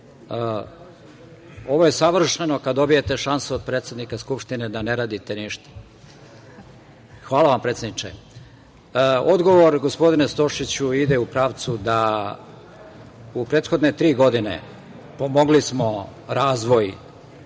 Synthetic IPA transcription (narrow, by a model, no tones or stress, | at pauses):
o̞ʋo̞je̞saʋr̩ʃeno̞kad̪d̪o̞bijet̪e̞ʃansuod̪̚pɾet̪se̞d̪nikaskupʃt̪ined̪ane̞ɾaːd̪it̪eniʃt̪ḁ | xʋaːlaʋampɾet̪sed̪nit͡ʃḛ | o̞d̪ɡo̞ʋo̞ɾɡo̞spo̞d̪inest̪o̞ʃit͡ɕuid̪eupɾaːʋt̪sud̪a | upɾeːt̪xo̞d̪net̪ɾiːɡo̞d̪inḛ | po̞moɡlismo̞ | ɾaːzʋo̞j